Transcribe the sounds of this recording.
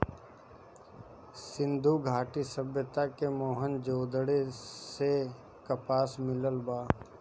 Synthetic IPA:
sɪ̃nd̪ʱuɡʱaːʈisəbjət̪akemoːɦənd͡ʒoːd̪əɽese | kəpaːsmɪləlbaː

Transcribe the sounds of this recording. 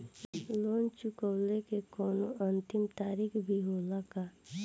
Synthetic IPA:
loːnt͡ʃʊkəwlekekɔːnoʔə̃nt̪ɪmt̪aːɾikʰbʱiɦoːlaka

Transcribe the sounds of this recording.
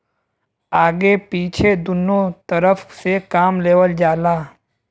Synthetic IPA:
aːɡepiːt͡ʃʰed̪ʊnõt̪əɾəfʰsekaːmleːʋəld͡ʒaːlaː

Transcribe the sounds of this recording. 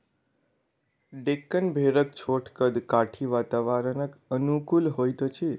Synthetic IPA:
ɖekːənbʱeɾək̚t͡ʃʰoʈʰkəd̪kaʈʰiʋat̪aʋaɾənəkənukulɦojt̪ət͡ʃʰi

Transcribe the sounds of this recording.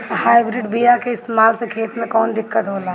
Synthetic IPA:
haːɪbɾɪɖbijakeɪst̪eːmaːlsekʰeːt̪mẽkɔːnd̪ɪkːət̪ɦoːla

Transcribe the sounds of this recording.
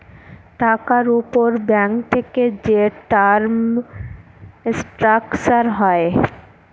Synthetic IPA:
ʈakaɾupoɾbɛŋkt̪ʰeked͡ʑeʈaɾm | sʈɾakt͡ɕaɾɦɔe

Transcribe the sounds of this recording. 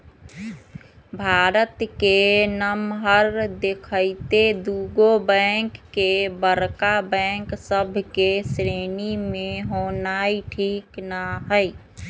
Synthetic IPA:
bʱaːɾət̪kenəmɦəɾd̪ekʰəɪt̪ed̪uːɡobɛ̃ŋkːebəɾkabɛ̃ŋksəbʱkesɾenimẽɦoːnaiʈʰiːknaɦəɪ

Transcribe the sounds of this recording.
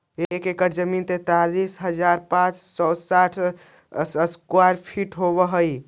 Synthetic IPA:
ekekəɾd͡ʒəmint̪et̪alisɦəd͡ʒaɾpãt͡ʃsɔsaʈʰ | skwaɾpʰiʈɦoβəɦəj

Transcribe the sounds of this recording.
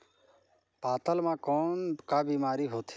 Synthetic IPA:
paːt̪əlmãːkoːnkaːbiːmaːɾiːɦoːt̪ʰ

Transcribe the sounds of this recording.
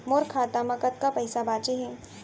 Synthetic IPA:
moɾkʰaːt̪amɐkət̪̚kapɐɪsabaːt͡ʃeɦɛː

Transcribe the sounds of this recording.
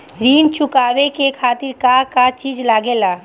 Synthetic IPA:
ɾiːnt͡ʃʊkaːʋekekʰaːt̪ɪɾkaːkat͡ʃiːd͡ʒlaːɡelaː

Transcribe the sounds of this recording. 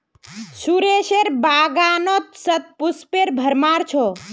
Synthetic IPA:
suɾeʃeɾbaːɡanot̪̚sət̪̚puspeɾbʱəɾmaɾt͡ʃʰɔ

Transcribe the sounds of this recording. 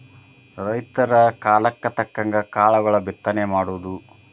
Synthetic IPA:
ɾɐjt̪ɐɾɐkaːlɐkːɐt̪ɐkːɐŋɡɐkaːɭɐɡɐɭɐbit̪ːɐnemaːɽuʋd̪u

